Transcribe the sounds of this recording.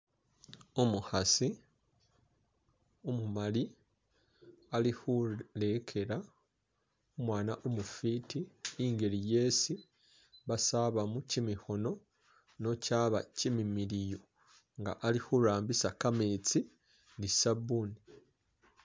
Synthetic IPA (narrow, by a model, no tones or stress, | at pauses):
umuhasi | umumali | alihule̞kʰe̞ɾa | omwaːnaʔumufiːtiiŋɡe̞ɾije̞ːsi | βasaβamucimiho̞no̞ | no̞caːβa̰cimimiɾijo | ŋɡa̰ʔalihuɾaːmbisakameːt͡si | nisabuni